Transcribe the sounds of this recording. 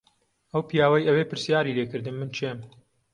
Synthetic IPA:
ʔɐwpijaːwɐjʔɐweːpɨɾsjaːɾilekɨɾd̪ɨmːɨnt͡ʃʰem

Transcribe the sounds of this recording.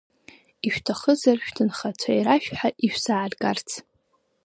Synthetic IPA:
iʃᶣtʰaχəzarʃᶣtʰɨnχat͡ʃʷʰaiɾaʃᶣħaʔiʃᶣsaʕarɡart͡sʰ

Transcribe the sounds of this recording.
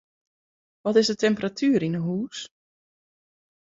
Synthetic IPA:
ʋɔtɪsdətʰɛmpəratʰyːɾinəɦuːs

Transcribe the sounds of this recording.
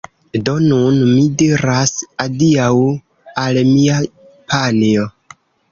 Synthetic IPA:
do̞nunmidiɾasaliaw | almia | pʰanio̞

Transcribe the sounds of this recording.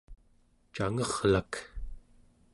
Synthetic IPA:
t͡ʃaŋʌʁlak

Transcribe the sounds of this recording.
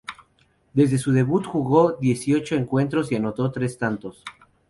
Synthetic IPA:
d̪e̞zðe̞suð̞e̞βut̪xuɣo̞ðje̞sio̞t͡ʃo̞e̞ŋkwe̞nt̪ɾo̞siano̞t̪o̞t̪ɾe̞st̪ant̪o̞s

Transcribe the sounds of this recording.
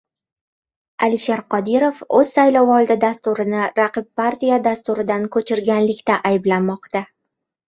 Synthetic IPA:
alɪʃeɾqʰɒd̪iɾofɵz̥sajlɒwɒlˠd̪ɪd̪ast̪uɾɪnɪɾaqɨb̚paɾt̪ijad̪ast̪ʊɾɪd̪ankʰɵt͡ʃʰɪɾɡʲanlɪkʲt̪aʔajɪblanmɒqt̪a

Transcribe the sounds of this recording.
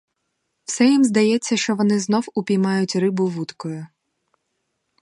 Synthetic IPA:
wsɛjimzd̪ɐjɛt͡sʲːɐʃt͡ʃɔʋɔnɪznɔwʊpʲijmɑjʊtʲrɪbʊʋut̪kɔjʊ

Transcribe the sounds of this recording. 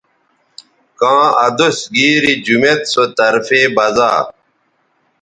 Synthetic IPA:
kãːɐd̪usɡiːɾid͡ʑumet̪sot̪ɐɾfeːbɐza̰ː

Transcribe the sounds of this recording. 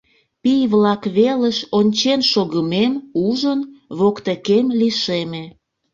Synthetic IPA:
pijβlɑkβeləʃonʲt͡ɕenʃoɣəmemuʒənβokt̪ekemliʃeme

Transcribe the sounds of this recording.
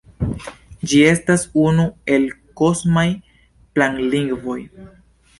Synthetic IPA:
d͡ʒie̞stasunue̞lko̞smaj | plaŋliŋɡvo̞j

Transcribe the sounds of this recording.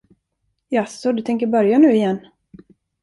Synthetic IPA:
jasɔd̪ɵt̪ʰɛŋk̬əɾbœɾjanʉ̟ːɪjɛnː

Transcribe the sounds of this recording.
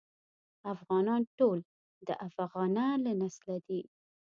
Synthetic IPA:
afɣɑnɑnʈol | d̪əʔafaɣɑnalanaslad̪i

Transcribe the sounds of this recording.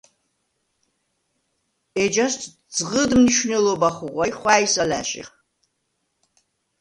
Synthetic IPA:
ed͡ʒastʰ | d͡zʁədmnɨʃnɨlobaχʷʊʁʷajχʷaːjsala̰ʃʼa̰

